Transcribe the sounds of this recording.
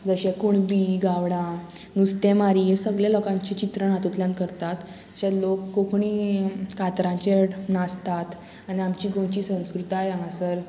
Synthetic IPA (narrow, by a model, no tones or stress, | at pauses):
d͡zəɕɛ̃kuɳbiɡaʋɽ̃ã | nust̪ɛmaɾiesəɡɭjalɔkãɲt͡ɕit͡ɕit̪ɾəɳɦat̪ut̪ljãnkəɾt̪at̪ | ɕɛ̃lokːokʰɳikat̪ɾãɲt͡ɕenast̪at̪ | aniamt͡ɕiːɡõt͡ɕiːsə̃w̃skɾut̪ajamãsəɾ